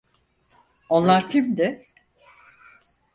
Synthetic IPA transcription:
onlˠaɾkʰʲimd̪ɪ

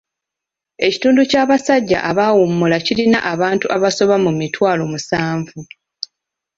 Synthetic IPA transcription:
e̞ci̥tuːnducaːβasaɟːa̰ʔaβawumːulacilinaʔaβaːntuʔaβaso̞βamumitwaːlomusaːɱvu

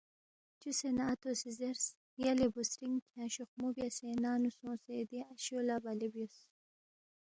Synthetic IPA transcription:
t͡ʃusenaːt̪osizeɾs | jalebusɾiŋkʰãɕuxmubjasenaːnusõːsed̪iaɕolabalibjos

